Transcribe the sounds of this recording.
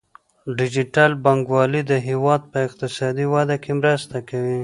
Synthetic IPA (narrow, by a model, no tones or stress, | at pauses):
ɖɪd͡ʒiʈalbaŋɡwɑlid̪əɦewɑd̪̚pəɪq̚t̪ɪsɑd̪iwad̪akemɾəst̪akawi